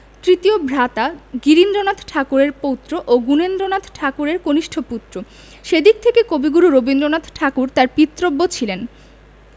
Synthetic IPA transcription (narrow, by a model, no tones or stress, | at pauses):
t̪ɾit̪iobʱɾat̪aɡiɾind̪ɾonad̪ʱʈʰakuɾeɾpowt̪ːɾoʔoɡunend̪ɾonad̪ʰʱʈʰakuɾeɾkoniʃʈʰoput̪ːɾo | ʃed̪ik̚t̪ʰekekobiɡuɾuɾobind̪ɾonad̪ʱʈʰakuɾt̪aɾpit̪ːɾobːot͡ɕʰilen